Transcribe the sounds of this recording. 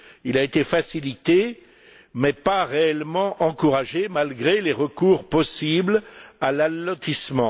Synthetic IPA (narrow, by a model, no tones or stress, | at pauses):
ilaet̪efasilit̪e | mɛpaʁeɛlmɑ̃ʔɑ̃kuʁaʒemalɡʁeleʁəkuʁpɔsiblalalːɔt̪ismɑ̃